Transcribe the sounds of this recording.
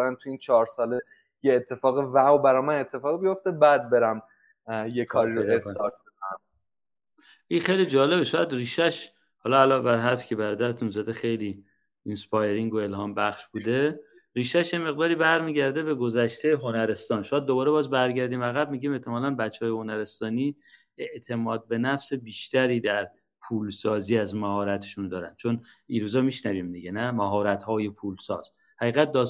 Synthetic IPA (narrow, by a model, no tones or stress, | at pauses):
ɾænt̪ʰuiːnt͡ʃʰɒːɾsɒːle | jeːt̪ʰːe̞fɒːɣevæwobæɾɒjmænet̪ʰːefɒːɣbijo̞ft̪ebæd̪̚be̞ɾæm | jekʰɒːɾiɾoesɒt̪bekæ | ʔinxejliːd͡ʒɒːle̞beʃɒːjæd̪riːʃæʃ | hɒːlɒælɒːbæɾɦæɾfi̥ːcʰe̞bæɾɒːd̪æɾet̪ʰunzæd̪exe̞jliː | inspɒjeɾiŋɡoe̞lhɒːmbæχʃbuːd̪e̞ | ɾiːʃæʃjemeɣd̪ɒːɾibæɾmiːɟæɾd̪e̞be̞ɡo̞zæʃt̪ʰejɦo̞næɾe̞st̪ɒːnʃojæd̪ːo̞bɒːɾe̞bɒːzbæɾɟæɾd̪iːmæɣæb̚miːɡɟiːme̞ht̪ʰemɒːlænbæt͡ʃʰːeɒːjeho̞næɾe̞st̪ɒːniː | e̞ʔt̪ʰe̞mɒːd̪̚be̞næfse̞biːʃt̪æɾiːd̪æɾ | pʰuːlsɒːziːæzmæhɒːɾæt̪ʰeʃund̪ɒːɾæ̰nd̪̥t͡ʃʰoniːɾuːzɒːmiʃnæviːmd̪iɟenæmæɦɒːɾæt̪hɒːje̞pʰuːlsɒ̰ːz̥ | hæɣiːɣæt̪̚d̪ɒ